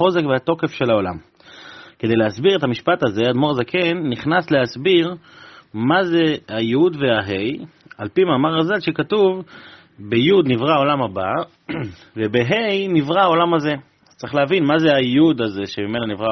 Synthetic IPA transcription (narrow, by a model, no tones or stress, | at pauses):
o̞ze̞kveat̪o̞ke̞fʃe̞lao̞lam | ke̞d̪e̞jleasbiʁe̞t̪amiʃpataze̞ad̪mo̞ʁazekʰenːiχnasleasbiʁ | mazeajudveaɦejalpimaːmaʁazalʃe̞katuv | bejud̪nivʁaao̞lamaba | vebe̞ɦejnivʁaao̞lamaze̞ | az̥t̪t͡saʁiχleavinmazeajud̪azeʃemime̞nanivʁa